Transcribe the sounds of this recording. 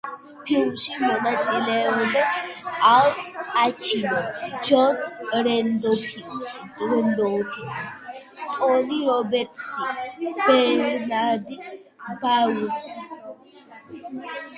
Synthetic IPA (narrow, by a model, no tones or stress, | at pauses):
pʰilʃimɔnat͡s̪ʼilɛudɛalat͡ʃʰinɔd͡ʒɔnɾɛnd̪ɔpʰi | ɾɛnd̪ɔt̪ʰi | t̪ʼɔliɾɔbɛɾt̪ʰsibɛɾinad̪i | bawu